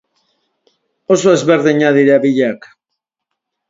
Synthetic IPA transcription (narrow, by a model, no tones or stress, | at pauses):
osoezβeɾðeɲaðiɾaβiʎak